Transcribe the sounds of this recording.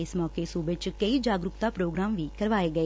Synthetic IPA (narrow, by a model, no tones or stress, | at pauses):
ɪsmɔːkeːsuːbɪt͡ʃkəiːd͡ʒaːɡɾʊkt̪aːpɾoːɡɾaːmʋiːkəɾʋaːeːɡəeː